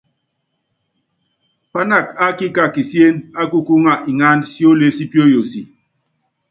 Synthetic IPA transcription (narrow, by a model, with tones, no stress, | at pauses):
pa˦na˦˨ka˦ki˦ka˦˨ki˨si˦e˦na˦ku˦ku˦ŋa˦˨ʔi˨ŋa˦nsi˦o˦le˦si˦pjo˦jo˨si˨